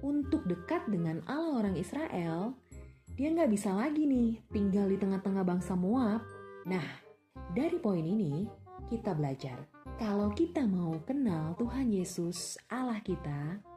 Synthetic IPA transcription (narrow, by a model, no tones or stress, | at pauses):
unt̪ʊk̚dəkat̪̚dəŋanalaoɾaŋisɾaʔɛldiaŋɡaʔbisalaɡinɪht̪iŋɡaldit̪əŋaht̪əŋahbaŋsamoap̚nah | daɾipoininikit̪abəlad͡ʒa̰r | kalawkit̪amaukənalt̪uɦanjesʊsʔalahkit̪a